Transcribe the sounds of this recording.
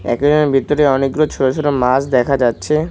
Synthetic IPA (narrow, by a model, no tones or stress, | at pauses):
ɛ̰ked͡ʑonebʱit̪ːoɾeɔniɡɾot͡ɕʰoɾoʃʰoɾomasd̪ɛkʰad͡ʑatːɕʰe